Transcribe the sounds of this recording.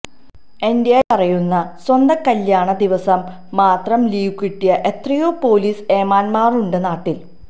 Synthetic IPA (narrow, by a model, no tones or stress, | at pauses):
end̪ijajɐrɐjunːɐswɐnd̪ɐkɐljaːɳɐd̪iʋɐsɐmː | aːt̪rɐmliːukːiʈːijɐʔe̞t̪rijoːpo̞ːliːse̞ːmaːnmaːruɳɖenaːʈːil